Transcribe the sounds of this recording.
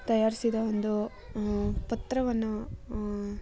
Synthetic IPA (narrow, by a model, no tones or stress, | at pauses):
t̪ɐjaːɾisid̪ɐond̪u | pɐt̪ɾɐʋɐnːu